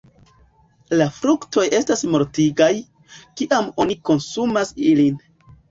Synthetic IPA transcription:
lafɾukto̞je̞stasmo̞ɾtiɡaj | kiʔamo̞niko̞nsumasilin

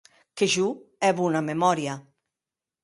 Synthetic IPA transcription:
keʒuɛβunamemɔɾja

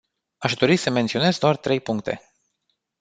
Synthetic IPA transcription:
aʃd̪o̞ɾisəme̞nt̪sio̞ne̞zd̪oart̪ɾe̞jpuŋk̚t̪e̞̰

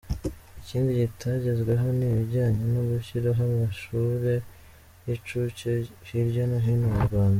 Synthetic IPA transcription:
iciːndiɟitʰaɟe̞zɡwe̞ɦo̞niβiɾɟaːɲe̞noɡuçiɾoɦamaʃuːɾe̞ | jit͡ʃuceciɾɟanaɦinumuɾɡwaːnda

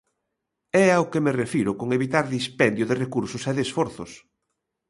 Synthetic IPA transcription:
ɛawkɪmerefiɾʊkoŋeβit̪aɾðispɛnd̪joðerekuɾsosɛðesfoɾθʊ̰s

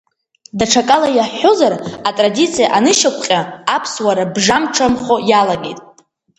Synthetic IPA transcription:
daʈ͡ʂʰakʼalajaħozaratʼradit͡sʰijaʔanɨʃakʷʰʼqʲʼaapʰswaɾabʐamʈ͡ʂʰamχojalaɡe̞jtʼ

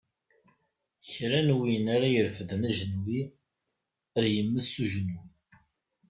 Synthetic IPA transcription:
çɾænwinaɾajəɾfəðənæʒənwi | əðjəmːəsːuʒənu

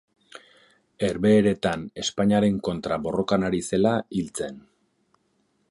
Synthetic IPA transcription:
e̞ɾβe̞ːɾe̞t̪ane̞spaɲaɾe̞ŋko̞nt̪ɾabo̞ro̞kanaɾise̞lailt͡se̞n

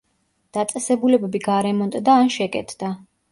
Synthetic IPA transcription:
d̪̥at̪sʼɛsɛbulɛbɛbiɡaɾɛmɔnt̪ʼd̪aːnʃɛkʼɛ̰t̪ʰd̪̥a

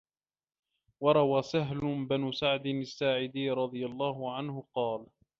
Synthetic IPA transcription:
wɑɾˤɑwaːsaɦlʊbanusaʕd̪ɪnɪsːaːʕɪd̪iɾˤɑd̪ˤɨjalˤːɑːɦʊʕanhʊqɑːl

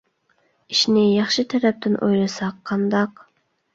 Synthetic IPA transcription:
iʃnɪjɑχʃɪt̪ʰɛɾɛp̚t̪ʰɪnʔo̰jlˠɨsɑqʰːɑnd̪ɑq

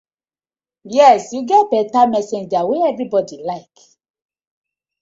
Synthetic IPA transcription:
jɛsjuɡɛt̚bɛtamɛsẽnd͡ʒaweɛvɹibɔdilaɪk

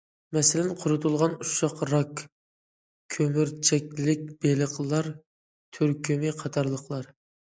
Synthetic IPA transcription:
mɛsɪlɛnqʰʊɾʊt̪ʰulˠʁɑnuʃɑqɾɑk | kʲʰømyɾt͡ʃʰɛkʲlɪk̚ʲb̥eləqʰlˠɑɾ | t̪ʰyɾkʲʰymɪqʰɑt̪ʰɑɾlˠəqlˠɑɾ

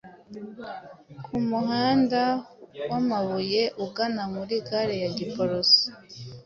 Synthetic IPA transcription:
kʰumuɦaːndawamaβuje̞ʔuɡanamuɾiɡaɾejaɟipoɾosi̥

